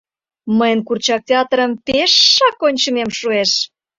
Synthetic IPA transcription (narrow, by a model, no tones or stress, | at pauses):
məjənkurt͡ɕɑk̚tʲeɑt̪rəmpeʃːɑkonʲt͡ɕə̆memʃueʃ